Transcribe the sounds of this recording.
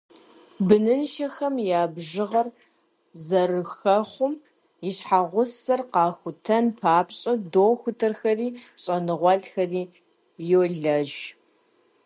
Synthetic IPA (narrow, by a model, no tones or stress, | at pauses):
bɨnɨnʃɐxɐmjaːbʒɪʁɐr | zɐrɨxɐχʷʊm | jɪɕħaʁʷʊsɐrqɑːxʷʊtʰɐnpʰaːpɕʼɐdoːxʷʊtʰɨrxɐriːɕʼɐnɨʁʷɔɮxɐriː | jowɮɐʒ